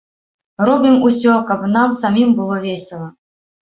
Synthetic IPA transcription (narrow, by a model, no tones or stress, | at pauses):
rɔbʲimusʲɔkapnamsamʲimbɨlˠɔvʲesʲɪlˠɐ